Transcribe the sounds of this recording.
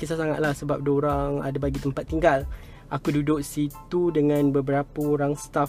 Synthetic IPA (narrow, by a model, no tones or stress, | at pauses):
kisasaŋa̰t̪̚lahsəbap̚doɾaŋa̰dabaɡit̪əmpat̪ːiŋɡal | akududʊk̚sit̪udəŋãnbəbəɾapəoɾaŋst̪a